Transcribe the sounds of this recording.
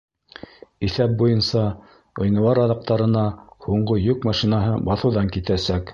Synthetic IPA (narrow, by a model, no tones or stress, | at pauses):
iθæp̚bujɤnsɑ | ŏjnɤ̆wɑɾɑðɑq̚t̪ɑɾɤ̆nɑhuɴɢɤjɵkmɑʃinɑɦɤbɑθɤ̆wðɑŋkit̪æsæk